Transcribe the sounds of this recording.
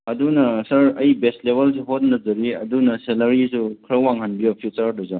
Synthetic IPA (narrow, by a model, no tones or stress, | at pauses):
ɐdunɐsɐɾɐjbestlebels̬eɦot̚nɐzɐɾiɐdunɐselɐɾisukʰɾɐkwaŋhɐnbijopʰjut͡ʃɐɾdɐza